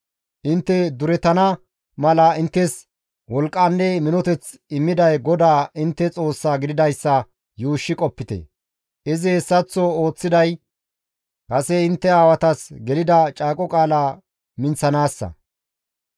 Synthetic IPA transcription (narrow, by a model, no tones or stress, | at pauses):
ʔɪnt̪ːɛd̪ʊɾɛt̪ɐnɐ | mɐlɐɪnt̪ːɛs | wɔlkʼːaːnːɛmɪnɔt̪ɛt͡s | ɪmːɪd̪ɐjɡɔd̪aːʔɪnt̪ːɛt͡sʼo̞ːsːaːɡɪd̪ɪd̪ɐjsːɐ | juːʃːɪkʼɔpːɪt̪ɛ̰ | ɪzɪhɛsːɐt͡sːɔo̞ːt͡sːɪd̪ɐj | kɐsɛɪnt̪ːɛaːwɐt̪ɐsɡɛlɪd̪ɐt͡ʃʼaːkʼɔkʼaːlaː | mɪnt͡sːɐnaːsːɐ̰